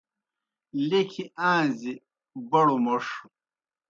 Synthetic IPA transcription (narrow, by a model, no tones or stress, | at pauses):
lekʰiʔãːzi | bɐɽumɐʂu